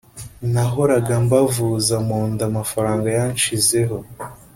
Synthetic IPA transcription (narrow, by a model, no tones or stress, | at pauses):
naɦo̞ɾaɡambavuzamoːndamafaɾaːŋɡajanʃize̞ɦo̞